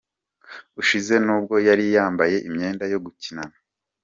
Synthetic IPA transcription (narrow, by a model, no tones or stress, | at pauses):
uʃize̞nuːb̚ɡo̞jaɾijaːmbaje̞ʔimɲe̞ːndajo̞ɡucinana